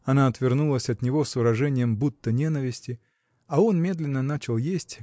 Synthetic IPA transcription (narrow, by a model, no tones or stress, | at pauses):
ɐnaɐt̪vʲɪrnulˠəsʲɐt̪nʲɪvo̞svɨɾɐʐɛnʲɪjəmbut̪ːənʲe̞nəvʲɪsʲtʲɪ | ɐo̞nmʲe̞d̪lʲɪnːənat͡ɕɪlˠjesʲtʲ